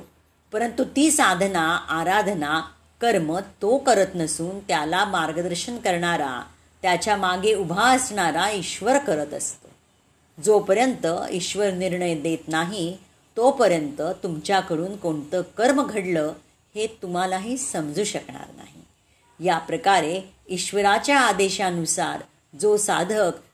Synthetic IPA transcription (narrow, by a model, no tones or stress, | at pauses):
pəɾənt̪ut̪iːsad̪ʱnaaɾad̪ʱna | kəɾmət̪okəɾət̪nəsuːnt̪jalamaɾɡəd̪əɾɕəɳkəɾɳaɾa̰ | t̪jat͡ɕjamaɡeubʱaəsɳaɾaiɕʋəɾkəɾət̪əst̪ə̰ | d͡zopəɾjənt̪əiɕʋəɾniɾɳəjd̪et̪naɦi | t̪opəɾjənt̪ət̪umt͡ɕjakəɽuːnkoɳt̪əːkəɾmɡʱəɽləː | het̪um̤alaɦiːsəmd͡zuːɕəkɳa̰ɾna̰ɦḭ | japɾəkaɾe | iɕʋəɾat͡ɕjaːd̪eɕãnusa̰ɾ | d͡zosad̪ʱək